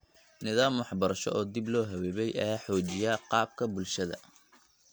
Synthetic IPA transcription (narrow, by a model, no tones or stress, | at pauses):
nɪðaːmwɑħbɐɾɐʃɔ̰ʔɔːd̪iblɔːɦɐwɛːβɛjʔɐjaːħɔːt͡ʃɪjaːqɑːb̚kʰɐbʊlʃɐðɐ̰